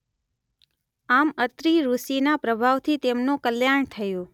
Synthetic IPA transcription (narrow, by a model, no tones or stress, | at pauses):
amət̪ɾiɾusinapɾəbʱaʋt̪ʰit̪emnokəljaɳt̪ʰəjo